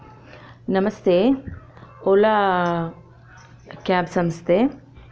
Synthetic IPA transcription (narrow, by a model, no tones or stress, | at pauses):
nɐmɐst̪ʰeː | ola | kaːbsɐmst̪ʰe